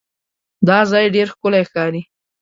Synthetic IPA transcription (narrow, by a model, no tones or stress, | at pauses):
d̪ɑzɑjɖeɾxkʊlajxkɑɾi